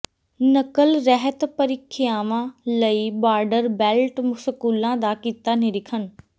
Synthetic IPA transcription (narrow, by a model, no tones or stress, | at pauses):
nəkəlɾɛɦət̪pəɾɪkʰːɪjaːʋãləibaːɾɖəɾbɛːlʈmʊsəkuːlãd̪aːkiːt̪aneɾɪkʰən